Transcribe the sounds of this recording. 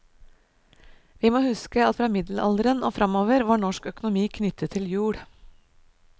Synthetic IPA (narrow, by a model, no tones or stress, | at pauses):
ʋiːmoːhʉskəɑt̪fɾɑːmɪd̪l̩ʔɑ̰ld̪əɾəno̰ːfɾɑmoːʋəɾʋɑːɳɔʂkœkʊnʊmiːkʰnʏt̪ʰːət̪ʰːɪljʉːɽ